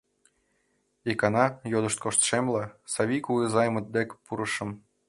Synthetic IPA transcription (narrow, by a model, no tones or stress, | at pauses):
ikɑnɑjod̪ɤ̆ʃt̪̚koʃt̪ʃemlˠɑsɑβʲikuizɑjmɤ̆d̪̚d̪ekpuɾɤ̆ʃɤ̆m